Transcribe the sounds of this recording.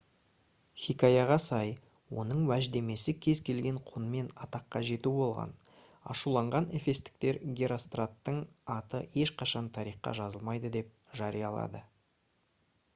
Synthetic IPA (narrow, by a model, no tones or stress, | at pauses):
χʲikajɑʁɑsɑj | wo̞̰nəɴwæʒd̪e̞me̞sɪkʲʰe̞zkʲʰe̞lɡʲe̞ɴqʰʊnme̞nɑt̪ɑqːɑʒe̞t̪ubo̞lˠʁɑ̰n | ɑ̰ʃulˠɑɴʁɑnefe̞st̪ɪ̥k̚t̪e̞ɾɡʲeɾost̪rat̪ːəɴɑt̪əe̞ʃqʰɑʃɑnt̪ʰɑɾiqːɑ̰ʒɑzəlˠmɑjd̪əd̪e̞p̚ʒɑɾijɑlˠɑ̰d̪ə